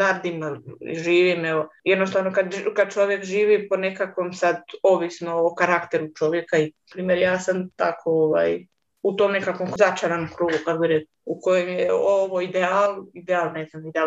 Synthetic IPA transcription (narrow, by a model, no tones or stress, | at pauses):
aɾd̪imaḭʒiːʋimeʋojed̪nost̪aːʋnokad̪kad̪̚t͡ʃo̞ʋjekʒiːʋipo̞ne̞kakʋo̞msad̪o̞ʋisnoːkaɾakt̪e̞ɾut͡ʃo̞ʋje̞kaiapɾiːmeɾjaːsamt̪akʰo̞oʋa̰ːj | ut̪o̞ːmne̞kakʋo̞mzat͡ʃaɾanokɾuːɡukaɡ̪biɾe | uko̞jemjeoʋoid̪eaːlid̪eaːlˠnezamid̪ea